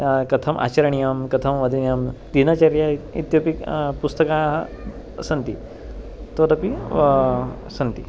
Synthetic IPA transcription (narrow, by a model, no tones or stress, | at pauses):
kɐt̪ʰɐmʔa̰t͡ɕɐɾɐɳ̃ijamkɐt̪ʰɐmʋɐd̪ʱinjamd̪inaːt͡ɕaɾjaḭt̪jopikpust̪ɐkaɦ | sɐnt̪i | t̪oɾɐpi | sɐnt̪i